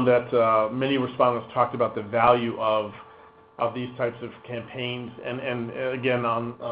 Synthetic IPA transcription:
nðɨtmɛñiɹɨspɑ̃ndə̃nstʰɔk̚tɨbaʊt̪̚ðɨvælˠjʉʔʌv | ʔʌvðiz̥tʰaɪpsʌv̥kʰæ̃mpʰẽɪ̃nzɨ̃nɨ̃nɨɡɛ̃nə̃n

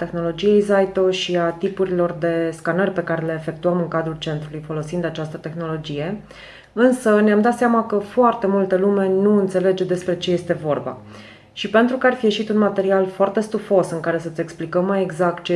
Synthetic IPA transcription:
t̪e̞xno̞lo̞d͡ʒije̞jzajt̪o̞ʃiat̪ipuɾilo̞rd̪e̞skanərʲpe̞kaɾe̞le̞ːfe̞k̚t̪uəmɨŋkad̪ɾult͡ʃe̞nt̪ɾulujfo̞lo̞sind̪at͡ʃast̪ət̪e̞xno̞lo̞d͡ʒije̞ | ɨnsəneamd̪at̪seamakəfoart̪e̞mult̪əlume̞nuɨnt̪se̞le̞d͡ʒed̪e̞spɾe̞t͡ʃe̞je̞st̪e̞vo̞rba̰ | ʃipe̞nt̪ɾukəarfije̞ʃit̪unmat̪e̞ɾialfoart̪e̞st̪ufo̞sɨŋkaɾe̞sət̪sʲe̞ksplikəmːaje̞ɡzak̚t̪̚t͡ʃe

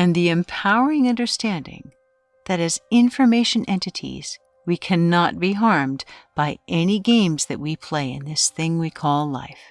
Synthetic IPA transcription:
ɨ̃nðiɨ̃mpʰaʊə˞ɪ̃ŋʌ̃ndə˞stæ̃ndɪ̰̃ŋ | ðɨɾɨzɪ̃ɱfə˞meɪʃɨ̃nʔɛ̃ntɨɾḭz̥ | wikʰænɑt̚b̥iɦɑɹmb̥aɪʔɛniɡẽɪ̃mzðɨ̰ʔ̚wipʰl̥eɪɨ̰̃nðɪsθɪ̃ŋwikʰɔlˠla̰ɪf

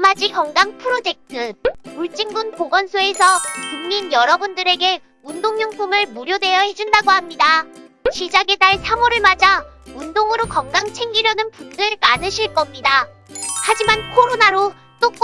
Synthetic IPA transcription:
mad͡ʑikʌŋɡaŋpʰɯɾod͡ʑe̞k̚tʰɯuɭt͡ɕ͈iŋɡunpoɡʌnsʰoe̞s̬ʰʌkuŋɲinjʌɾʌbundɯɾe̞ɡe̞ | undoŋɲoŋsʰomɯɭmuɾjodwe̞jʌhe̞d͡ʑundaɡoɦamɲida | ɕʰid͡ʑaɡe̞daɭsʰamoɾɯɭmad͡ʑaundoŋɯɾokʌŋɡaŋt͡ɕʰe̞ŋɡiɾjʌnɯnpukdɯɭmanɯɕʰiɭk͈ʌmɲida | had͡ʑimankʰoɾonaɾo | t͈ok͈

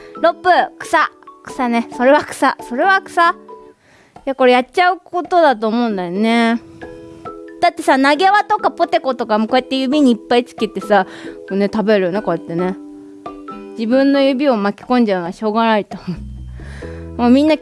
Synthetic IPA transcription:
ɾo̞pːɯ̟kɯ̥sakɯ̟̥sane̞so̞ɾe̞βakɯ̟̥sa̰so̞ɾe̞βakɯ̟̥sa | jako̞ɾe̞jatːt͡ɕaɯ̟ko̞t̪o̞d̪at̪o̞ːmo̞ɯ̃nd̪ajone̞ | d̪̥at̪ːe̞sanaɡe̞βat̪o̞kapo̞t̪e̞ko̞t̪o̞kamoko̞jet̪ːe̞jɯ̟bʲiɲ̟iːpːait͡sɨ̥kʲit̪ːe̞sakone̞t̪abe̞ɾɯjoneko̞jet̪ːe̞ne̞ | d͡ʑibɯ̟̃nːo̞jɯ̟bʲio̞makʲi̥kõ̞ɲ̟d͡ʑaɯnaɕo̞ːɡanait̪o | moːmʲĩnːa

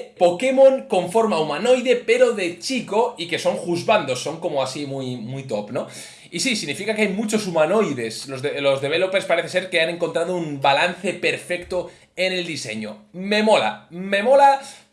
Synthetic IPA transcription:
po̞ke̞mõ̞ŋko̞ɱfo̞ɾmaumano̞jðe̞pe̞ɾo̞ðe̞t͡ʃiko̞ike̞so̞ŋxuzβand̪o̞sːo̞ŋko̞moasimujmujt̪o̞pno̞ | isisiɣnifikakeajmut͡ʃo̞sumano̞jðe̞slo̞zðelo̞zðe̞βe̞lo̞pe̞ɾspaɾe̞θese̞ɾke̞ane̞ŋkont̪ɾað̞oumbalan̟θe̞pe̞ɾfe̞kt̪o | e̞ne̞ld̪ise̞̰ɲo̰me̞mo̞la̰me̞mo̞la

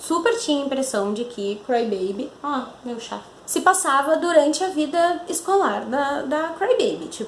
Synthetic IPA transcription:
supeɾt͡ʃĩɲɐĩpɾesɐ̃w̃d͡ʒɪkʰɪkɾajbejbɪɔmewʃafɪsɪpasavɐd̪uɾɐ̃nt͡ʃɪɐvid̪ɐɪskolaɾd̪ɐd̪ɐkɾajbejbɪt͡ʃipʊ

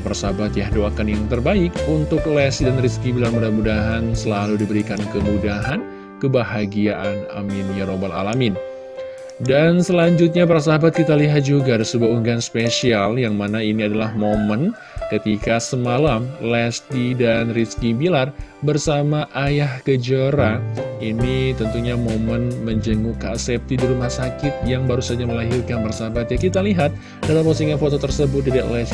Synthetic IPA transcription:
pəɾasabat̪jahdoakanjaŋt̪ərbaɪkunt̪ʊk̚lɛsidanriskibilarmudamudaɦansəlaludibəɾikankəmudaɦan | kəbaɦaɡiaʔana̰minjaɾobala̰lamɪn | dansəlaɲd͡ʒut̪̚ɲapəɾasaɦabat̪̚kit̪aliɦat̪̚d͡ʒuɡadəsəbuauŋɡanspesialjaŋmanainiadalahmomən | kət̪ikasəmalamlɛst̪idanriskibilarbərsamaʔajahkəd͡ʒəɾainit̪ənt̪uɲamomənməɲd͡ʒəŋuka̰sɛp̚t̪idiɾumahsakɪt̪̚jaŋbaɾusad͡ʒaməlaɦirkanpərsaɦabat̪̚jakit̪aliɦat̪̚ | dalamposiŋɲafot̪ot̪ərsəbʊt̪didaʔlɛs

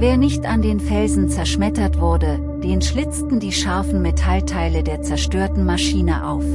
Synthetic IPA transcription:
veːɐnɪçtandeːnfɛlzn̩t͡sɛɐʃmɛtɐtv̥ʊɐdə | d̥eːnʃlɪt͡stn̩diːʃaɐfn̩metʰaltʰaɪlədeːɐt͡sɛɐʃtøːɐtn̩maʃiːnə̰ʔa̰ʊf

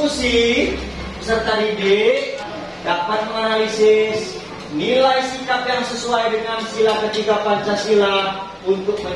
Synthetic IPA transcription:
usi | bəsərt̪aɾideʔ | dapat̪̚məŋanalisɪs | nilajsikap̚jaŋsəsuajdəŋansilahkət͡ʃikapansasilah | unt̪ʊk̚mə

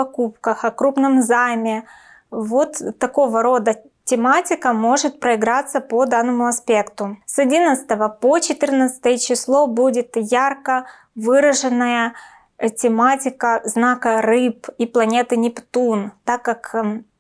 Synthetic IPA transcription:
ɐkup̚kəxɐkɾupnəmzajmʲɪ | vo̞t̪ːɐko̞vəɾo̞d̪ə | tʲɪmatʲɪkəmo̞ʐɨt̪̚pɾəɪɡɾat̪sːəpod̪anːəmʊɐspʲe̞kt̪ʊsɐdʲinət̪sɨ̥t̪əvəpot͡ɕɪt̪ɨrnət̪sə̥ɨ̥t̪əjət͡ɕɪslˠo̞budʲɪt̪jarkə | vɨɾəʐɨnːəjə | tʲɪmatʲɪkəznakərɨpiplˠɐnʲe̞t̪ɨnʲɪpt̪unt̪akːak

